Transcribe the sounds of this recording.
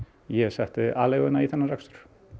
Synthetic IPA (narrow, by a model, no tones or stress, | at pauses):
jɛɣsɛht̪ɪʔaːleɣʏnaiθʰanːarakfst̪ʏ̥ɾ̥